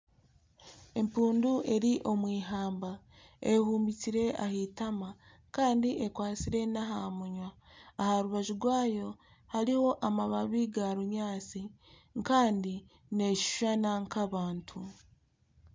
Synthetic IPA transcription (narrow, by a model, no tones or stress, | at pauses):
e̞mpuːndue̞ɾiʔo̞mwiːɦaːmba | ehuːmbit͡siɾe̞a̰hitama | kaːndiʔekwaːt͡siɾe̞naɦamuɲwaːhaɾuβaʒuɾɡwaːjo̞ | haɾiho̞ʔamaβaβiɡaɾuɲaːt͡si | ŋkaːndi | ne̞ʃu̥ʃanaŋkaβaːntʰu